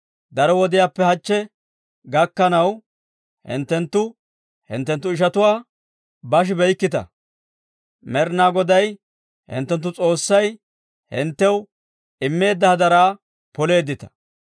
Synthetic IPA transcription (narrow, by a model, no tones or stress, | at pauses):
d̪ɐɾɔwɔd̪ɪjaːpːɛhɐt͡ʃːɛ | ɡɐkːɐnɐw | hɪ̰nt̪ːɛnt̪ːʊ | hɪ̰nt̪ːɛnt̪ːʊɪʃɐt̪ʊwaː | bɐʃ̬ɪbɛjkːɪt̪ɐ̰ | mɛɾnaːɡɔd̪ɐj | hɪ̰nt̪ːɛnt̪̬ːʊt͡sʼo̞ːsːɐj | hɪ̰nt̪ːɛw | ʔɪmːe̞ːd̪ːɐhɐd̪ɐɾaː | pɔle̞ːd̪ɪt̪ɐ̥